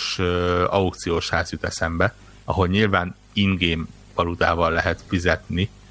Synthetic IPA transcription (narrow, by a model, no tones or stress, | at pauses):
ʃøɒukt̪sijoːʃhaːzut̪ɛsɛmbɛ | ɒɦo̞lɲilvaːn | inɡeːm | pɒlud̪aːvɒlːɛɦɛt̪fizɛt̪ni